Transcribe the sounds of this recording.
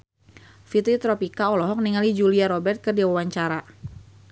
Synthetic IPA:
fit̪ɾit̪ɾɔpikaɔlɔɦɔk̚niŋalid͡ʒuliaɾɔbɛrt̪̚kərdiwawaɲt͡ʃaɾa

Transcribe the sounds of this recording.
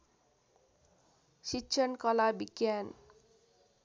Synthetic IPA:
sitːɕʰʌnkʌlabiɡjan

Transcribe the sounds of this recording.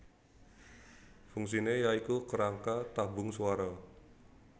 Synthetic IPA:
fuŋs̬inejaikukəɾaŋkat̪abʊŋsuwaɾɔ

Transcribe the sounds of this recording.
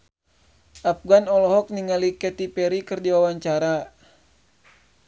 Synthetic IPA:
ʔafɡanɔlɔɦɔk̚niŋalikɛt̪ipɛɾikɨrdiwawaɲt͡ʃaɾa

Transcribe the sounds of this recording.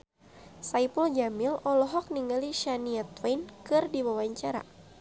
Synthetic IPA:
saipəld͡ʒamilɔlɔɦɔk̚niŋaliʃaniat̪wankɨrdiwawaɲt͡ʃaɾa̰

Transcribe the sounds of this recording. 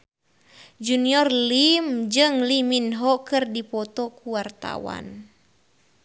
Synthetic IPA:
d͡ʒuniɔrlimd͡ʒɨŋliminɦɔkɨrdipɔt̪ɔkuwart̪a̰wa̰n

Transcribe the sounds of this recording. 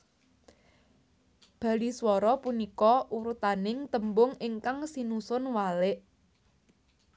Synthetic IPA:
b̥ä̤liswɔɾɔpunikɔʔuɾut̪anɪŋt̪əmbʊŋɪŋkaŋsinusʊnwalɪʔ

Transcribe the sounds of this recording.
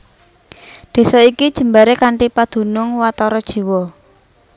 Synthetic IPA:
d̪̥e̤sɔikid̥ʒ̥ə̤mbaɾekaɳʈipad̪̥ṳnʊŋwat̪ɔɾɔd̥ʒ̥i̤wɔ

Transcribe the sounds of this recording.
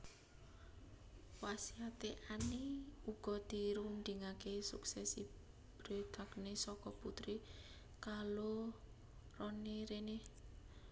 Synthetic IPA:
wasiat̪eʔaniuɡ̥ɔ̤d̪̥i̤ɾunɖ̪iŋakesuksɛsi | b̥ɾed̪̥a̤knesɔkɔput̪ɾi | kalo | rɔniɾene

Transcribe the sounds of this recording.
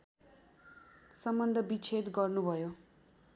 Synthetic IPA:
sʌmbʌnd̪ʱʌbit͡sʰet̪ɡʌrnubʱʌjo

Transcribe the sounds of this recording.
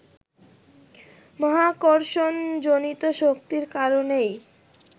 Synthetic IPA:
mɔɦakoɾʃond͡ʑonit̪oʃok̚t̪iɾkaɾonej

